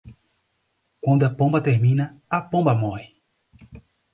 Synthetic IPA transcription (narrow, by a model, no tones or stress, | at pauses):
kwɐ̃nd̪ʊɐpõmbɐt̪eɾmĩnɐɐpõmbɐmɔhɪ